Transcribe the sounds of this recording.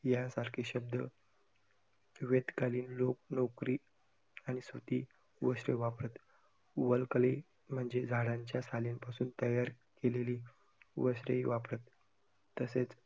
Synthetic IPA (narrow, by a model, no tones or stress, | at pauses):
jasaɾkʰiɕəb̚d̪ə̰ | ʋed̪kaliːnloknokɾiː | añisʋət̪iː | ʋəɕɾə̰ʋapɾət̪ | ʋəlkle | m̤əɳd͡zed͡zʱaɽãɲt͡ɕjasalinpasuːnt̪əjaɾ | keleliː | ʋəɕɾə̰iʋapɾət̪ː | əset͡s